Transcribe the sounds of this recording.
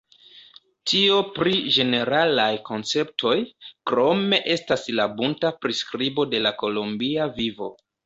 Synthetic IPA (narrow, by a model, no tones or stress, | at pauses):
tʰiopɾid͡ʒe̞ne̞ɾalajko̞nt͡se̞p̚tʰo̞jkɾo̞me̞ʔe̞staslabuntapɾiskɾibo̞de̞lako̞lombiavivo̞̰